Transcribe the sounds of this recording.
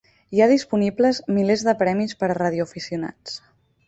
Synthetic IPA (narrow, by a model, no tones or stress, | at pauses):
iaðispunipləzmilezðəpɾɛmispəɾəraðjuəfisiuna̰t͡s